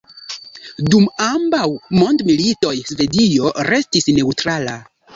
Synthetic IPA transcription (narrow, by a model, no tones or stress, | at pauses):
dumambawmo̞ndmilito̞jsve̞dio̞ɾe̞stisne̞wtɾala̰